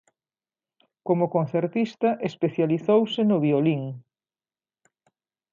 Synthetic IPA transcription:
komʊkon̟θeɾt̪ist̪ɐʔespeθjaliθowsɪnʊβioliŋ

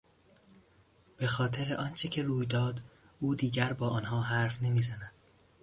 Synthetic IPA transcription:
b̥e̞xɒːt̪ʰeɾeʔɒːnt͡ʃʰecʰe̞ɾuːjd̪ɒːd̪ | uːd̪iːɟæɾbɒːʔɒːnɦɒːɦæɾfne̞miːzænæd̪̥

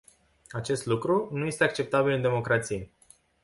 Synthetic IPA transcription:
at͡ʃe̞st̪lukɾunuje̞st̪eak̚t͡ʃe̞p̚t̪abilɨnd̪e̞mo̞kɾat̪sije

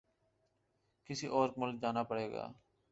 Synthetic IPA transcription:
kɪsiːʔɔːɾkmʊlk̚d͡ʒaːnaːpəɽeːɡa̰ː

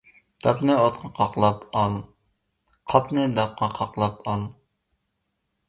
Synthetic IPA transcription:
d̪̥ɑpnɛɑt̪qɑqʰɑqlˠɑpɑlˠ | qʰɑpnɨd̪ɑp̚qʰɑqʰɑqlˠɑpʰɑlˠ

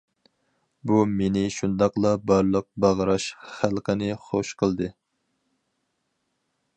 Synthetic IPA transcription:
bumenɪʃund̪ɑqlˠɑbɑɾlˠəq̚bɑʁəɾɑʃχælˠqʰənɨχoʃqʰəlˠd̪ɨ

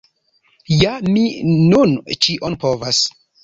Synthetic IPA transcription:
jaminunt͡ʃiʔonpovas

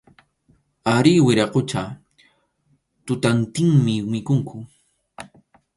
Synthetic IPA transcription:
aɾɪwɪɾɑqot͡ʃa | t̪ʊt̪ant̪ɪŋmɪmɪkʊŋkʰʊ

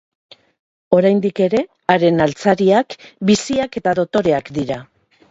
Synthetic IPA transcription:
o̞ɾajnd̪ike̞ɾe̞ | aɾe̞nalt͡saɾiakbisiake̞t̪aðo̞t̪o̞ɾe̞akd̪iɾa

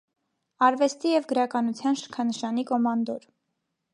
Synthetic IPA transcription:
ɑɾvɛst̪ijɛvɡəɾɑkɑnut͡sʰjɑnʃə̥kʰɑnəʃɑnikɔmɑnd̪ɔɾ

